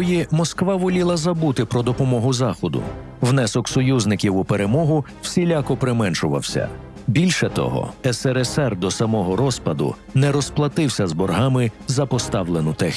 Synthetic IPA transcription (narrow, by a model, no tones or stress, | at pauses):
jimɔskʋɑʋɔlʲilˠɐzɐbut̪ɪpɾɔd̪ɔpɔmɔɦʊzɑxɔd̪ʊ̰ | wnɛsɔksɔjuznɪkʲiwʊpeɾe̞mɔɦʊ | w̥sʲilʲakɔpɾɪmɛnʃʊʋɐ̰wsʲɐ̰ | bʲilʲʃɛt̪ɔ̰ɦɔ̰ɛsɛɾɛsɛrd̪ɔsɐmɔɦɔɾɔspɐd̪ʊ̰ | nɛɾɔsplˠɐt̪ɪwsʲɐzbɔrɦɑmɪzɐpɔst̪ɑwlˠenʊt̪ɛx